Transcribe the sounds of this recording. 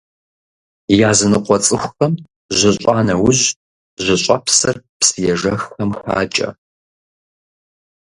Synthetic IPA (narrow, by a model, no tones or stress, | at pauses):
jaːzɨnɨqʷɔt͡sʼɨxʷxɐm | ʑʷɪɕʼaːnɐwʊʑ | ʑʷɪɕʼɐpsɐrpsɨjɛʒɐxxɐmxʷa̰ːt͡ʃʼɐ̰